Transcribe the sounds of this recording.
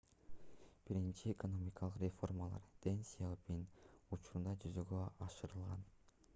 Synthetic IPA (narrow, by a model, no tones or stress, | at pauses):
b̥iɾint͡ʃiekono̞mʲɪkɑlˠɯqrʲefo̞rmalˠɑ̰ɾt̪ensʲijalˠpinut͡ʃuɾund̪ɑd͡ʒyzøɡøɑʃɯɾɯlˠʁɑn